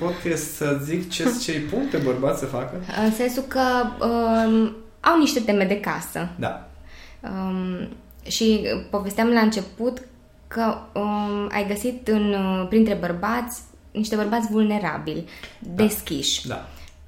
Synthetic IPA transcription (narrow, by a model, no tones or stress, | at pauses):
pod̪kest̪səzikt͡ʃest͡ʃejput̪ebərbat̪sʲsəfakəɨnse̞nsukəə | awniʃt̪e̞t̪e̞me̞d̪e̞kasə̰d̪a̰ | ə | ʃipo̞ve̞st̪eamlaɨnt͡ʃe̞put̪ | kəəa̰jɡəsit̪ɨnpɾint̪ɾe̞bərbat̪sʲ | niʃt̪e̞bərbat̪sʲvulne̞ɾa̰bilʲd̪e̞skʲiʃʲd̪a̰